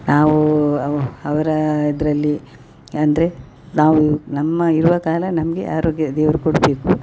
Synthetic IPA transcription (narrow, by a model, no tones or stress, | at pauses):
naːʋuɐɐʋɐɾɐid̪ɐɾɐlːi | ɐnd̪ɐɾe̞ | naːʋunɐmːɐiɾuʋɐkaːlɐnɐmɐɡe̞̰ʔaːɾoːɡjɐd̪ɛːʋɐɾukoɽbe̞ːku